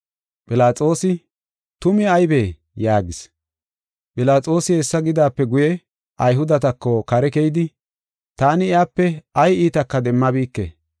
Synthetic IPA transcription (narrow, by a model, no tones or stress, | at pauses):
pʼɪlaːt͡sʼo̞ːsɪ | t̪ʊmɪɐjbeː | jaːɡɪs | pʼɪlaːt͡sʼo̞ːsɪhɛsːɐɡɪd̪aːpːɛɡʊjɛ | ʔɐjɦʊd̪ɐt̪ɐkːokɐɾɛkɛjd̪ɪ | t̪aːnɪɪaːpːɛɐjiːt̪ɐkːɐd̪ɛmːɐbiːkːḛ